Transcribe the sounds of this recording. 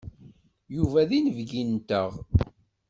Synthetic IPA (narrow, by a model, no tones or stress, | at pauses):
juvæðinəvɡint̪ə̰ʁ